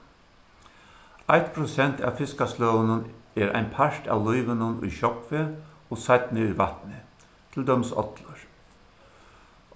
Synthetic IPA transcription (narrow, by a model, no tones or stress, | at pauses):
ajt̪pʰɾʊsɛnt̪a̰ːfɪskaslœːʋənənɛːɾʔa̰ɪnpʰaʂʈa̰ːwlujʋənənʊ̰jɕɔpfeːoːsat̪nɪʊjʋat̪nɪ | t̪ʰɪld̪œmsɔ̰t̪ləɹ